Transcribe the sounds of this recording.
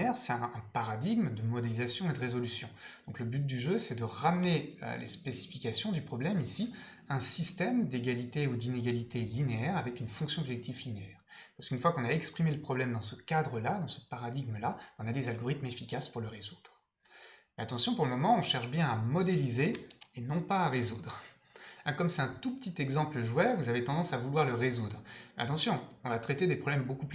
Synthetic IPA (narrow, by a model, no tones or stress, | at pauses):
ɛʁsɛt̪ɛ̃ɛ̃paʁad̪iɡmd̪əmɔd̪elizasjɔ̃ed̪əʁezɔlysjɔ̃d̪̥ɔ̃kləbyt̪̚d̪yʒøsɛd̪əʁamneø̰lḛspesi̥fikʲasjɔ̃d̪ypχɔblɛmisi | ɛ̃sist̪ɛmd̪eɡʲalit̪eud̪ineɡalit̪elineɛʁavɛkynfɔ̃ksjɔ̃ɔbʒɛk̚t̪iflineɛːʁpaʁsə̥kynfwakɔ̃naɛkspχimeləpχɔblɛmd̪ɑ̃səkʲad̪ʁəlad̪ɑ̃səpaʁad̪iɡməlaɔ̃nad̪ezalɡɔʁit̪mefikʲaspuʁləʁezud̪̥ʁ | meat̪ɑ̃sjɔ̃puʁləmɔmɑ̃ɔ̃ʃɛʁʃbjɛ̃amɔd̪elizeːnɔ̃paːʁezud̪ʁ | ɛ̃kɔmsɛt̪ɛ̃t̪upə̥t̪it̪ɛɡzɑ̃pləʒwɛvuzavet̪ɑ̃d̪ɑ̃savulwaʁləʁezud̪ʁa̰t̪ɑ̃sjɔ̃ɔ̃vat̪χɛt̪ed̪epχɔblɛmbokupl